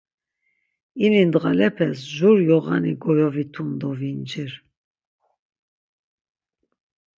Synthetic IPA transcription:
inind̪ɣalɛpʰɛsʒuɾjɔɣa̰niɡɔjɔvit̪ʰund̪ɔvind͡ʒiɾ

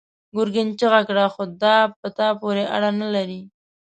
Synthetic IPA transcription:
ɡʊɾɡɪnt͡ʃəɣakɽaxod̪ɑpət̪ɑpoɾeʔa̰ɽanalaɾi

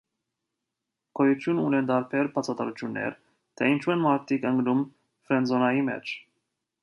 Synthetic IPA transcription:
kʰɔjut̪ʰjununɛnd̪ɑɾpʰɛɾbɑt͡sʰɑt̪ɑɾut͡ʃ̪ʰjunːɛ̰ɾ | t̪ʰɛint͡ʃʰuɛnmɑɾt̪ʰikəŋɡnum | fɾɛnzɔnɑjimɛ̰t͡ʃʰ

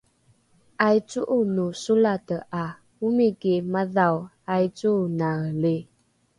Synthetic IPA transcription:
ajt͡suʔunusulatəʔa | wumikemaðaw | ajt͡sunaɣle

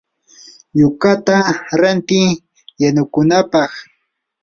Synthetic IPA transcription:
jʊkat̪aɾant̪ɪ | janʊkʊnapɑχ

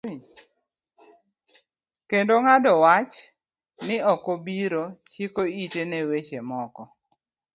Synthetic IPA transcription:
kendoŋadɔwat͡ʃ | nɪɔkobiɾot͡ʃikoitenewet͡ʃemɔkɔ

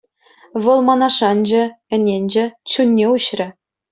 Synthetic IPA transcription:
ʋɤ̆lˠmɑnɑʂɑnd͡ʑɘ̆ɘ̆nʲenʲd͡ʑɘ̆t͡ɕunʲːeuɕrʲɘ̆

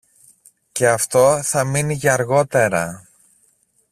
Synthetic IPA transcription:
ce̞ɐft̪o̞θɐminiʝɐɐɾɣo̞t̪e̞ɾɐ

